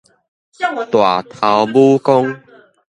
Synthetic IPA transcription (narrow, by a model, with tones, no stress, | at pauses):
t̪wa˨˩t̪ʰa˨wbu˦kɔ˦ŋ